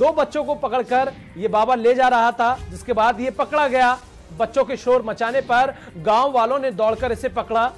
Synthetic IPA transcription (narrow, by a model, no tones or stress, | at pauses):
d̪oːbɐtːʃõkopɐkəɭkɐɾ | jebaːbaled͡ʒaːɾɐɦat̪ʰad͡ʒɪskebaːd̪jepɐkɽaɡɐjaː | bɐtːʃõkeʃoːɾmɐt͡ʃaːnepɐɾ | ɡãːoʋaːlõned̪ɔːɽkəɾɪsepɐkɽaː